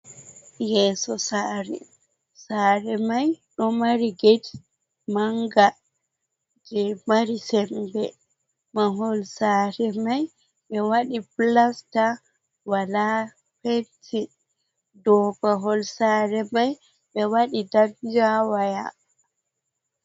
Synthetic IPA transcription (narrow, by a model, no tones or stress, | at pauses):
jɛːsɔsaɾɛ̰ | saɾɛmajɗɔmaɾiɡedi | maŋɡa | d͡ʒɛmaɾisɛmbɛ | maɦɔlsaɾɛmaj | ɓɛwaɗiplasta | wala | petʰi | dɔbaɦɔlsaɾɛmaj | ɓɛwaɗidabd͡ʒawaja̰